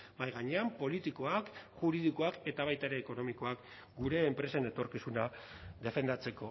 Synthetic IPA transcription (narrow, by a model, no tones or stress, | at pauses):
bajɣaɲe̞ampo̞lit̪iko̞akʝuɾið̞iko̞ake̞t̪aβ̞ajt̪aeɾe̞ːko̞no̞miko̞ak | ɡuɾe̞ːmpɾe̞sene̞t̪o̞ɾkisunaðe̞fe̞nd̪at͡se̞ko̞